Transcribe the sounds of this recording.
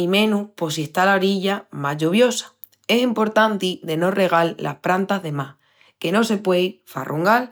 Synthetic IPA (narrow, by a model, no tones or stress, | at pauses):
imẽ̞nupo̞sie̞ht̪alaoɾiʝamazʎuβ̞jo̞sḁ | e̞simpo̞ɾt̪ant̪iðe̞no̞re̞ɣ̞allʔa̰hpɾant̪azðe̞mah | ke̞no̞se̞pwe̞jfa̰rʔuŋɡal